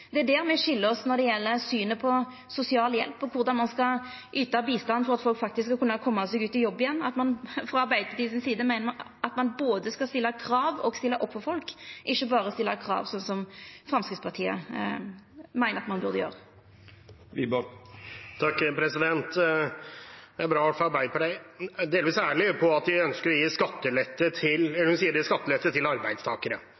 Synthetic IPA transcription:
d̪ɛæd̪æɾmɛɕɪlːəɾɔsnɔd̪ɛjɛlːəsyːnəpʰɔ | sʊsɪɑːljɛ̰lpːɔkʰʊɾd̪ɑnmɑnskɑ | ʔyːt̪ɑbiːst̪ɑnːfɔɾɑt̪fɔlkfɑk̚t̪ɪskːskːɑkʉnːɑkʰɔmːɑsɛɡʉːt̪ɪjɔbːɪjɛnːɑt̪mɑnfʁɑɑɾbæɪd̪əɑt̪iːsɪnsiːd̪əmæɪnə | ɑt̪mɑnboːd̪əskɑst̪ɪlːɑkʰɾɑːʋɔɡst̪ɪlːɑʔɔpfɔfɔlkʔɪçːəbɑːɾəɔst̪ɪlːɑkʰɾɑ̰ːʋsɔnsɔmfɾɑmskɪt̪spʰɑt̪ʰiːə̰ | mæɪnəɾɑt̪mɑnbʉʁd̪əjø̰ːʁə | t̪ʰɑkːpʰɾɛsɪd̪ɛnt̪ | ɛæbɾɑːfɔɑɾbæɪpʰɑt̪ʰiɪd̪eːlʋiːsæːɭɪpʰɔɑt̪ʋɪœnskəɾɔjiːskɑt̪ːəlɛt̪ːət̪ʰɪlɛlhʉnsiːəɾiːskɑt̪ːəlɛt̪ːət̪ʰɪlɑɾbæɪd̪st̪ʰɑːkəɾə

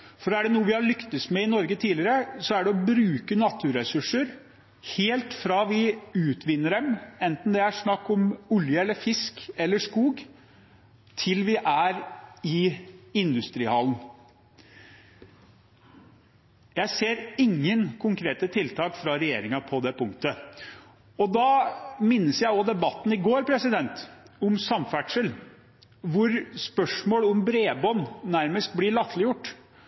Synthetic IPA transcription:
fɔɾæɖɛnuːəʋɪhɑɭʏkt̪əsmɛɪnɔɾɡət̪ʰiːlɪɾəsɔæɖɛɔbɾʉːkənɑt̪ʰːʉɾɛsʉʂəɾ | heːlt̪fɾɑːʋɪʉːt̪ʋɪnːəɖɛmɛnt̪n̩d̪ɛæʂnɑkːɔmʊljəɛlːəfɪskɛlːəʂkuːɡ | t̪ʰɪlʋɪʔæɾɪɪnd̪ʉst̪ɾiːhɑln | jæɪseːɾɪŋːənkʰʊŋkʰɾeːt̪ət̪ʰɪlt̪ʰɑːkfɾɑɾɛjeːɾɪŋɑpʰɔd̪ɛpʊŋkt̪ə | ɔd̪ɑːmɪnːəsjæɪɔd̪ɛbɑt̪ːn̩ɪɡoːɾpʰɾɛsɪd̪ɛnt̪ɔmsɑmfæʈʂəl | ʋʊɾspœʂmoːlʊmbɾeːbɔnːæɾməst̪̚blɪɭɑt̪ʰlɪjʊʈː

